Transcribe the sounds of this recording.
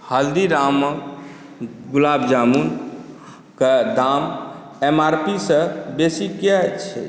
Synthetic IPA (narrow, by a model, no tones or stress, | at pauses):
həld̪iɾamː | ɡulabd͡ʒamun | ked̪am | emaɾpisə̃besikat͡ʃʰɛ̰